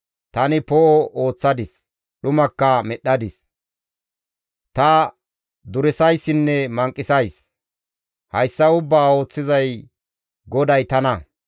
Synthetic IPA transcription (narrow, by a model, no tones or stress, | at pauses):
t̪ɐnɪpɔʔɔʔo̞ːt͡sːɐd̪ɪs | ɗʊmɐkːɐmɛɗːɐd̪ɪs | t̪ɐ | d̪ʊɾɪsɐjsɪnːɛmɐŋkʼːɪsɐjs | hɐjsːɐʊbːaːo̞ːt͡sːɪzɐj | ɡɔd̪ɐjt̪ɐnɐ